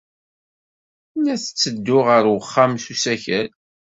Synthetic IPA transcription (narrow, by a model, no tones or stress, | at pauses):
næθət͡sːəd̪ːʊʁəɾwəχːamsusæçæl